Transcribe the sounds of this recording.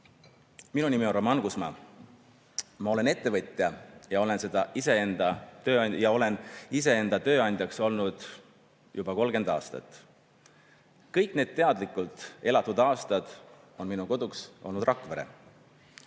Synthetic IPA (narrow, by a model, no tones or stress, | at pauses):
minunimioromɑnɡ̥usmɑ̰ | mɑo̞le̞ne̞t̪ˑːe̞vɤt̪ʲːˑjɑjɑo̞le̞nse̞d̪̥ɑise̞e̞nd̪̥ɑt̪ø̞ːɑjɑo̞le̞nis̬e̞e̞nd̪̥ɑt̪ø̞ːɑnʲd̪̥ʲjɑkso̞lnud̪̥ | jub̥ɑko̞lɡ̥e̞nd̪ɑ̰ːst̪ɑ̰t̪ːˑ | kɤjkˑne̞ːd̪̥̚t̪e̞ɑd̪̥likːˑult̪ˑe̞lɑt̪ːˑud̪ɑːst̪ɑd̪̥ | o̞nminuko̞d̪uksʔo̞lnud̪rɑkːˑveɾḛ